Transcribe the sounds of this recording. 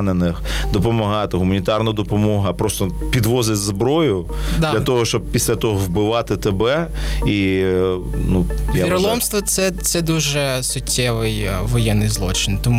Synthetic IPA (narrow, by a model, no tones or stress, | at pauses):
nenɪxd̪ɔpɔmɐɦɑt̪ɪɦʊmɐnʲit̪ɑrnɐd̪ɔpɔmɔɦɐpɾɔst̪ɔpʲid̪ʋɔzɪtʲzbɾɔjʊd̪dlʲɐt̪ɔɦɔʃt͡ʃɔb̚pʲisʲlʲɐt̪ɔɦɔʋbɪʋɑt̪ɪt̪ebɛi | nujaiɾɔlˠɔmst̪ʋɔt̪sɛt̪sɛd̪uʒɛsʊtʲːɛʋɪjʋɔjɛnːɪjzlˠɔt͡ʃɪnt̪ɔm